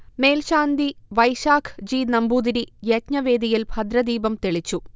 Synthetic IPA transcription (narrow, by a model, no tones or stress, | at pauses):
meːlɕaːnd̪iʋɐjʃaːkʰd͡ʑiːnɐmbuːd̪iɾijɐtɲɐʋeːd̪ijilbʱɐd̪ɾɐd̪iːbɐmt̪eɭit͡ɕːu